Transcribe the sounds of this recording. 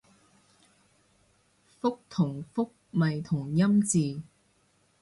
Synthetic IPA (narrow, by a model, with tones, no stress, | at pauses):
fʊ˥k̚t̪ʰʊ˨˩ŋfʊ˥k̚mɐ˨jt̪ʰʊ˨˩ŋjɐ˥mt͡siː˨˧